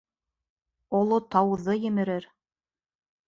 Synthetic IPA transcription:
ŏlˠot̪ɑwðɤjɘ̆mɘ̆ɾɘɾ

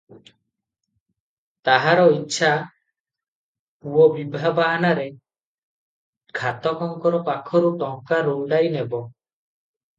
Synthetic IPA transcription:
t̪aɦaɾɔitːʃʰa | uɔbibʱabanaɾe | kʰat̪ɔkɔŋkɔɾɔpakʰɔɾuʈɔŋkaɾoɖajnebɔ

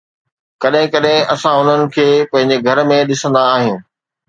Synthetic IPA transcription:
kɐɗɦɪ̃kɐɗɦɪ̃ɐsãʊn̤ənɪ̆kʰeːpɐ̃ɦɪ̃ɲd͡ʑeɡʱɐɾmẽɗɪsə̃nd̪aːɦɪ̃

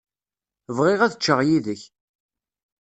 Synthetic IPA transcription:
vʁɪʁæðət͡ʃːəʁjiðəç

